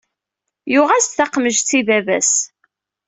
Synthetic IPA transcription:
jʊʁæsθaqməʒt̪t͡sːivævæ̰s

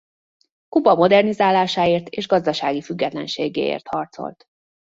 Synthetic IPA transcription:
kupɒmo̞d̪ɛrnizaːlːaːʃaːeːrt̪ʰeːʒɡɒzd̪ɒʃaːɡifyɡːɛt̪lɛ̰nʃeːɡḛːḛːrt̪hɒrt̪so̞̰lt̪

